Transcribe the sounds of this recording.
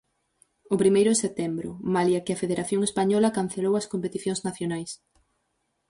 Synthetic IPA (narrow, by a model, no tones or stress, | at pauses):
ʊpɾimejɾʊðeset̪embɾʊ̰maljɐkɪɐfeðeɾʔaθjoŋespaɲɔlɐkan̟θelowɐskompet̪iθjoŋznaθjonajs